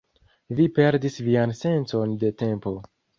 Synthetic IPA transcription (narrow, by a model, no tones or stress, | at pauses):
vipe̞ɾdisvianse̞nt͡so̞nde̞te̞mpo̞